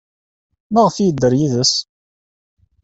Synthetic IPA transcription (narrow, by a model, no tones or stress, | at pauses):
məʁəfijəd̪ːəɾjiðəs